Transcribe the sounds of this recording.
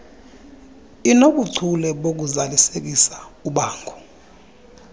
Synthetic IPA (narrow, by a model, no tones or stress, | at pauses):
inok̬uǀʰulɛɓok̬uzalisek̬isḁuɓaːŋɡʰʱu̥